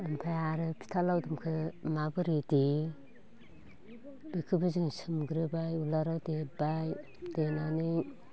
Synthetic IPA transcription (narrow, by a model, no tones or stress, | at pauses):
ɯmpʰajaɾɯpʰi̥tʰalawdɯmkʰɯmabɯɾide | bekʰɯbɯzɯŋsɯmɡɾɯbajulaɾawdebaj | d̥enanɯ